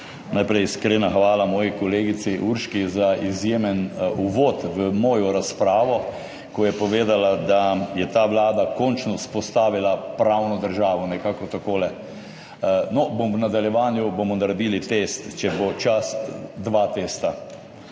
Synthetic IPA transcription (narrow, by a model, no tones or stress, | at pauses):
najpɾɛjskɾenaxʋaːlamɔːjikɔleːɡit̪siʔuɾʃkizaizjeːmɛnuʋot̪ʋəmɔːjɔɾaspɾaːʋɔ | kɔjɛpɔʋeːd̪alad̪ajɛt̪aːʋlaːd̪akɔnt͡ʃnɔspɔst̪aːʋilapɾawnɔd̪əɾʒaːʋɔnɛkaːkɔt̪akoːlɛ | nɔbomnad̪aljɛʋaːnjubomɔnaɾad̪iːlit̪est̪t͡ʃɛbot͡ʃasd̪ʋaːt̪eːst̪a